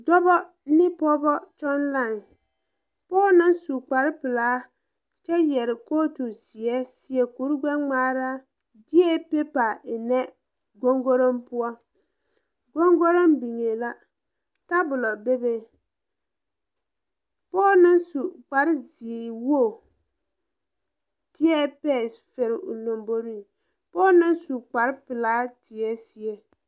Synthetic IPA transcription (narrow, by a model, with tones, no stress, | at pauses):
dɔ˦bɔ˦ | nɪ˦pɔ˦bɔ˦t͡ʃɔ˦nla˦˨ŋ˨ | pɔː˦nɨ˦nsu˨k͡pa˨ɾɪ˦pɨ˨laː˨˦ | t͡ʃɛ˦jɛ˨ɾɪ˨ko˦to˨zi˨ɛ˦si˦ɛ˨ku˨˦ɾɡ͡bɛ˦ŋ͡maː˦ɾa˦ | dɪ˦ɛ˦pe˦pa˨ɪ˨nɛ˦ | ɡo˦ŋɡo˦ɾo˦mpʊ˦a˦ | ɡo˦ŋɡo˦ɾo˦mbi˨ŋe˨la˦ | ta˦bʊ˨lɔ˨be˦be˦˨ | pɔː˦nɪ˦nsu˨k͡pa˨ɾɪ˦zi˨e˨wo˦˨ | dɪ˦ɛ˦pɛ˦˨sfe˨ɾɪ˨ʔʊ̰˨no˨mbo˦ɾi˦˨ | pɔː˦nɪ˦nsu˨k͡pa˨ɾpɪ˨la˦tɪ˨ɛ˦si˨e˨